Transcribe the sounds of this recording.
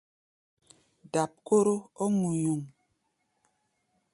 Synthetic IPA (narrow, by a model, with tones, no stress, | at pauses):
da˨p̚ko˦ɾo˦ɔ˦ŋu˨ɲu˨ŋ